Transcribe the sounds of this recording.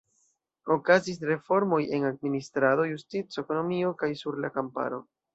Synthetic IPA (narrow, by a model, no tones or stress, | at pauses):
o̞kazis̬ɾe̞fo̞ɾmo̞je̞nad̚ministɾado̞justit͡soe̞ko̞no̞mio̞kajsuɾlakampa̰ɾo̞